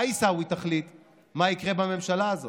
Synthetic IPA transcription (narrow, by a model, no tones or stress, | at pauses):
isawit̪aχlit̪ | maikʁe̞bame̞mʃalaːzo